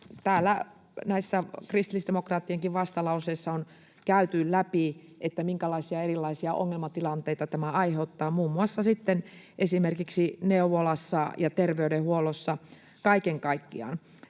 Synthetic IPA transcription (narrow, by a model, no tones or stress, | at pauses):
t̪æːlːæ | næisːækrist̪ilisd̥emokrɑːt̪ːieŋkiʋʋɑst̪ɑlɑuseisːɑon | kæyt̪yllæpiʔet̪ːæmiŋkælɑisiɑerilːɑisiɑʔo̰ŋːelmɑt̪ilɑnt̪eit̪ɑt̪æmæɑiheut̪ːɑːmuːmːuɑsːɑsit̪ːen | ʔesimerkiksineuʋolɑsːɑjɑt̪erʋeyɾehuolosːɑ | kɑikeŋkɑikːiɑ̰n